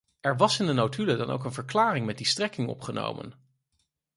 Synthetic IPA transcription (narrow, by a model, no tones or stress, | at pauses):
ɛɹʋɑsɪndənowtʰylədɑno̰wkənvəɹklaːrɪŋmɛt̚distrɛkɪŋɔ̰pχəno̰wmə̰n